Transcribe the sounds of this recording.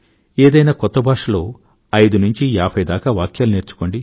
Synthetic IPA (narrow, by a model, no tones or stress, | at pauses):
eːd̪ɐjnaːkɔt̪ːɐbʱaːʂɐlo̞ː | ɐjd̪unuɲt͡ʃiaːpʰɐjd̪aːkaːʋaːkjaːluneːɾt͡ʃu̥koɳɖi